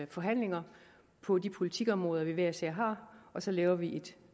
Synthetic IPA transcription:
fɒ̽ɦæn̰le̝ŋɐ | pʰɒ̽dipʰo̝lit͡sʰiɡ̥ɒ̽mʁɔ̽ːðˠɐʋiʋeɐse̝ɐ̰ɦɑ̈ːʔɒ̽sɒ̽lɛːʊɐʋiʔe̝d̥

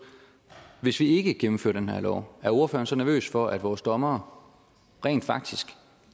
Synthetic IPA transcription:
ʋe̝sʋie̝ɡ̥əɡ̥emm̩fø̰ɐd̥enhæɐlɒ̰ʊ̰æɐo̝ɐfø̰ɐnsɒ̽næɐø̰ːsfɒ̽ʔæd̥ʋɒːsd̥ɒ̽mɐː | ʁɛ̰ːnd̥fɑ̈ɡ̥̚d̥isɡ̥

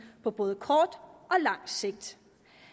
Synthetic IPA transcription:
pʰɒ̽b̥ɔ̽ːð̩ˠəkʰɒːd̥ʔɒ̽lɑ̈ŋ̰se̝ɡ̥̚d̥

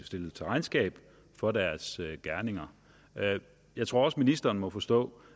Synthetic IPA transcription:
sd̥e̝lət͡sʰe̝ʁɑ̈ɪnsɡ̥ɛ̰ːb̥ | fɒ̽dæɐsøɡ̥æɐne̝ŋɐ | jɑ̈ɪt͡sʰʁo̝ɐɒ̽sminisd̥ɐːnmɒ̽fɒ̽sd̥ɔ̰̽ː

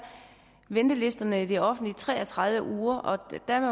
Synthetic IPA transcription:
ʋend̥əle̝sd̥ɐnəid̥eɒ̽fn̩d̥lit͡sʰʁɛ̰ːɐt͡sʰʁɑ̈ð̞ˠʋəʔuːɐʔɒ̽d̥æɐme

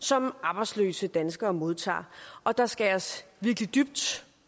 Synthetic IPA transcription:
sɒ̽mɑ̈ːb̥ɑ̈ɪd̥slø̰ːsəd̥ænsɡ̥ɐːmo̝ð̞ˠt͡sʰɑ̰̈ːʔɒ̽d̥ɑ̈sɡ̥æɒsʋiɐɡ̥lid̥yb̥̚d̥

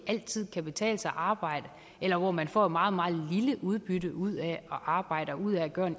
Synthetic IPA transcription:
æl̰t͡sʰið̞̰ˠkʰæb̥e̝t͡sʰɛ̰ːləsɑʔɑ̈ːb̥ɑ̈ɪ̰d̥ə | elɐʋɒmænfɒ̰ːmɑ̈ːð̞̩ˠmɑ̈ːð̩ˠliləʔuð̞ˠb̥yɾəuð̞̰ˠæɒ̽ʔɑ̈ːb̥ɑ̈ɪ̰ɾ̥ɐuð̰ˠææɡ̥ɶːɐn

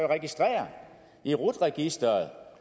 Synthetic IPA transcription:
oʁɛɡ̥isd̥ʁɛ̰ːɐ | iʁud̥ʁɛɡ̥isd̥ɐð̩ˠ

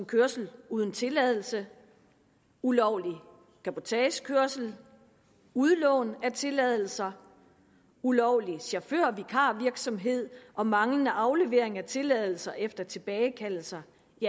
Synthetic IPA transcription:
mkʰøɐsl̩uːð̞ˠn̩t͡sʰe̝lɛð̞̰ˠl̩sə | ulɒʊ̰li | kʰæpʰo̝t͡sʰɛːɕkʰøɐsl̩ | uðˠlɔ̽ːnæt͡sʰe̝lɛð̞ˠl̩sɐ | ulɒʊ̰liɕɑføɐ̰ʋikʰɑ̈ʋiɐɡ̥sɒ̽mɦe̝ð̞̰ˠʔɒ̽mɑ̈ŋlənəʔɑ̈ʊle̝ʋe̝ɐ̰e̝ŋæt͡sʰe̝lɛð̞ˠl̩sɐʔefd̥ɐt͡sʰe̝b̥ɛːɪkʰæl̰l̩sɐ | i

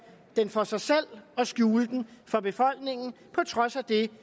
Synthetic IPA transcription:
d̥enfɒ̽sɑ̈ɪsel̰ɒ̽sɡ̥juːləd̥n̩fɒ̽b̥e̝fɒ̽l̰ɡ̥ne̝ŋ̰n̩ | pʰɒ̽t͡sʰʁɒ̽sæd̥e̝

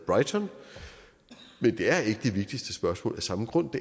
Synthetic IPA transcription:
b̥ʁɑ̈ɪt͡sʰɒn | mend̥e̝æɐe̝ɡ̥əd̥e̝ʋe̝ɡ̥̚d̥isd̥əsb̥ɶɐsmɔ̰ːlæsɑ̈məɡ̥ʁɔ̽n̰d̥e̝

